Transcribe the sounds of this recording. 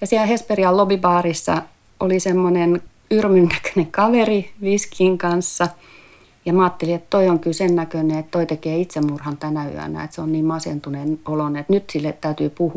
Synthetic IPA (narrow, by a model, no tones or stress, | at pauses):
jɑsiælhesperiɑllobibɑːrisːɑ̰ | olisemːonen | yrmynnækø̥neŋkɑʋeriʋiskʰiŋkɑnsːɑ | jɑmɑːt̪ːeliet̪t̪oioŋkylsennækøneet̪t̪oit̪ekeːit̪semmurhɑnt̪ænæy̰æ̰næ̰et̪seonniːmmɑsent̪unenolonet̪nyt̪silːet̪t̪æyt̪yːpuhu